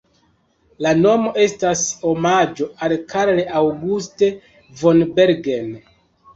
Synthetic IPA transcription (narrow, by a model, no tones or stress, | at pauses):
lano̞mo̞ʔe̞staso̞mad͡ʒo̞ʔalkaɾleʔawɡuste̞ | vo̞nbe̞ɾɡen